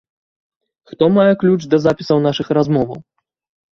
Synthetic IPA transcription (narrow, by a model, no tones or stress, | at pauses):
xt̪ɔmajɛklʲut͡ʂd̪ɐzapʲisɐwnaʂɨxɾazmɔvɐw